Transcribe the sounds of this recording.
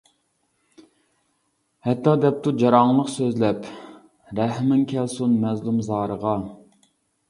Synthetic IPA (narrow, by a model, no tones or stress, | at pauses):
hɛt̪ʰːɑːd̪ɛp̚t̪ʰud͡ʒɑɾɑŋlˠəqsøzlɛp | ɾɛhmɪŋkʲʰɛlsunmɛzlˠumzɑːɾəʁɑ